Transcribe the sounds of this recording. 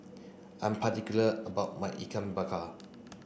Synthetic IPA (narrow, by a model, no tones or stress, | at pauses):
ʔãjmpʰatikjuləəbawt̚majʔḭkʰãmbakʰa